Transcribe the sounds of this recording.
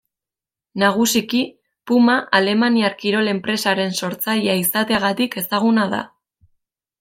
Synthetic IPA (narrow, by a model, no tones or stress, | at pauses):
naɣ̞usiki | pumaʔale̞maniaɾkiɾo̞le̞mpɾe̞saɾe̞nso̞ɾt͡sajeaisat̪e̞aɣ̞at̪ike̞saɣ̞unað̞a̰